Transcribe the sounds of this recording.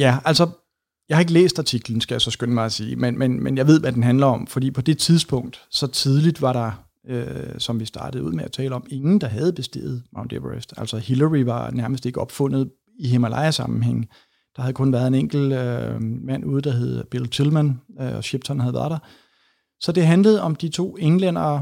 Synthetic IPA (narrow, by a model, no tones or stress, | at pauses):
jæælsɒ̽ | jɑɪhɑ̈e̝ɡ̥əlḛːsd̥ɑ̈t͡sʰiɡ̥ln̩sɡ̥æjasɒ̽sɡ̥ønəmɑ̈ɪsiːmenmenmenjɑ̈ɪʋe̝ð̰ˠʋæd̥enɦænlɐɒ̽mfɒd̥ḭːpʰɒ̽d̥e̝t͡sʰið̞ˠsb̥ɔ̽ŋ̰d̥sɒ̽t͡sʰið̞ˠlid̥ʋɑ̈ɾ̥ɑ̈ | øsɒ̽mʋisd̥ɑ̈ːɾ̥əð̞̩ˠuð̰ˠmeæt͡sʰɛ̰ːləɒ̽me̝ŋn̩d̥ɑ̈ɦæð̞̩ˠb̥e̝sd̥e̝̰ːð̩ˠmäʊnd̥eʋʁesd̥æl̰sɒhilɐʁiʋɑ̈næɐməsd̥e̝ɡ̥əɒ̽b̥fɔ̽n̰ð̞̩ˠ | iɦemælɑ̈ɪɐsɑ̈mm̩ɦeŋ̰ | d̥ɑ̈hæðˠkʰɔ̽nʋæːɐð̞̩ˠe̝neŋ̰ɡ̥l̩ømæn̰ʔuːð̩ˠd̥ɑ̈ɦe̝ð̞̩ˠb̥elt͡sʰilmænøɒɕeb̥̚t͡sʰɒnhæðˠʋæɐðˠd̥ɑ̈ | sɒ̽d̥e̝ɦænləð̞̩ˠɒ̽md̥it͡sʰo̝̰ːeŋlen̰ɐː